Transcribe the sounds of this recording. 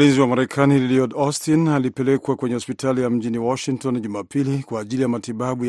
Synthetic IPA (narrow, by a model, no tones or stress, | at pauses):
linziwamaɾɛkʰaniliɔdɔstinalipɛlɛkwakwɛɲɛhɔspitʰalijam̩ʄiniwɔʃiŋtɔnʄumapʰilikwaːʄilijamatiɓaɓuj